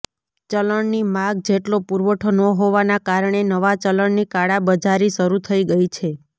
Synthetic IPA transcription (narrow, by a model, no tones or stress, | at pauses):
t͡ʃələɳnimãɡ̚d͡ʒeʈlopuɾʋəʈʰonəɦoʋanakaɾəɳ̃enəʋat͡ʃələɳnikaɽabəd͡ʒʱaɾiʃəɾut̪ʰəiɡəit͡ʃʰe